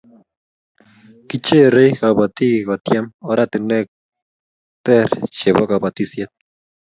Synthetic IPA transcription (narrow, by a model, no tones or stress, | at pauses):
kit͡ʃerejxabat̪iɣat̪jamoɾat̪enek̚ | t̪eɾʃeβokabat̪isjat̪̚